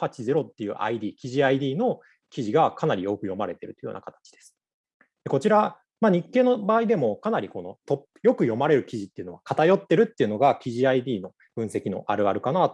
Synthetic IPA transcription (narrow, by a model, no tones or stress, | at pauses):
hat͡ɕizeɾo̞t̪ːe̞jɯ̟̰ʔa̰id̪ʲiːkʲiʑiaid̪ʲiːno̞ | kʲiʑiɡakʰanaɾʲijo̞ːkɯ̟jo̞maɾe̞t̪e̞ɾɯ̟t̪ojo̰nakat̪ḁt͡ɕi̥d̪e̞sɨ̥ | d̪̥e̞ko̞t͡ɕiɾa | maɲ̟ikːe̞ːno̞baːid̪e̞mo̞kanaɾʲiko̞no̞t̪o̞pjo̞kɯ̟jo̞maɾe̞ɾɯ̟kʲiʑit̪ːe̞ɯ̟no̞βakat̪ajo̞t̪ːe̞ɾɯ̟t̪ːe̞iɯ̟no̞ɡakʲiʑiaid̪ʲiːno̞ | b̥ɯ̟̃ɰ̃se̞kʲino̞̰ʔaɾɯ̟aɾɯ̟kanaːt̪